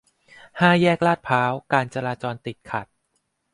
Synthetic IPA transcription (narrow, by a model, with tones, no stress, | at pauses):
haː˥˩jɛː˥˩k̚laː˥˩t̪̚pʰaː˦˥wkaː˧nt͡ɕa˧ɾaː˧t͡ɕɔː˧nt̪i˨˩t̪̚kʰa˨˩t̪̚